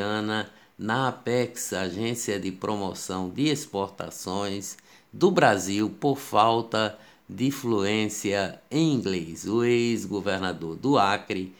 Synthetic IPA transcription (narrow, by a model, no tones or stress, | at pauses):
ɐ̃nɐ | nɐapɛksaʒẽsiɐd̪ɪpɾʔomosɐ̃w̃d̪ɪespoɾt̪a̰sõj̃s | d̪ʊbɾaziwpoɾfawt̪ɐ | d̪ɪfluẽsiɐẽj̃ĩɡlezʊejzɡoveɾnad̪oɾd̪ʊakɾɪ